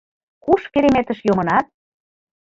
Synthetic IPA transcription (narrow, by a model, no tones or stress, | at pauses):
kuʃkeɾemet̪ə̆ʃjomɤ̆nɑt̪̚